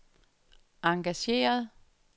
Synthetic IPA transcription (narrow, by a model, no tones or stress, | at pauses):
ɑ̈ŋɡ̥æɕe̝̰ːɐð̞ˠ